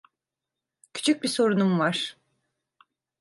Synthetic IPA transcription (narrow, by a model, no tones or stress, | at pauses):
cʰy̥t͡ʃʰyc̚biso̞ɾunumvaɾ̥